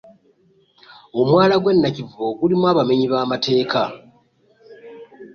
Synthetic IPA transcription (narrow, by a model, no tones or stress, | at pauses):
o̞mwaːlaɡwe̞nːacivo̞ɡulimwaːβame̞ɲiβaːmatʰe̞ːka